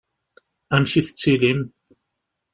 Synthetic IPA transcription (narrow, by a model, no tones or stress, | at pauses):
æmʃiθə̥t͡sːilim